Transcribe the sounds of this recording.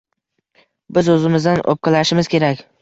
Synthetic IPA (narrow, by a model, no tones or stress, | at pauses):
bɪzɵzɪmɪzd̪ano̰p̚qʰɨlaʃɪmɪz̥kʲʰe̞ɾakʲ